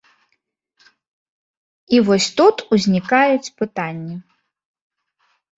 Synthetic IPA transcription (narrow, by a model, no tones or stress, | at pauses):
ivɔsʲt̪ut̪uzʲnʲikajut͡sʲpɨt̪anʲːi